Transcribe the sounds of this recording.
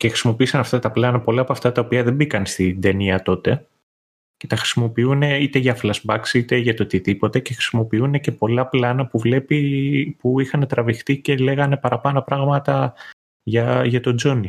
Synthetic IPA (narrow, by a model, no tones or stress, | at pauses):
cexɾi̥simo̞piisɐnɐft̪ɐt̪ɐplɐnɐpo̞lɐːpoɐft̪ɐt̪ɐo̞piɐðebikɐnst̪ind̪e̞niɐt̪o̞t̪e̞ | ce̞t̪ɐxɾi̥simo̞piune̞it̪e̞ʝɐflɐzbɐksit̪e̞ʝɐt̪o̞t̪iðipo̞t̪e̞ce̞xɾi̥simo̞piune̞ce̞po̞lɐplɐnɐpuvle̞pipuixɐne̞t̪ɾɐvixt̪ice̞le̞ɣɐne̞pɐɾɐpɐno̞pɾɐɣmɐt̪ɐ | ʝɐʝɐt̪o̞d͡zoni